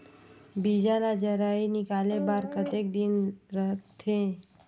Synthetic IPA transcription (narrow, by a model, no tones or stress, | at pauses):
bid͡ʒanad͡ʒəɾainɪkaːlebaɾkət̪ek̚d̪inɾəɦ̪ʰẽ